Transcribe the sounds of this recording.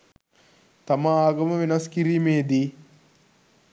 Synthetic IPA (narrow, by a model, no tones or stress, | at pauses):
t̪amaaːɡɐməʋenɐskiɾiːmeːd̪i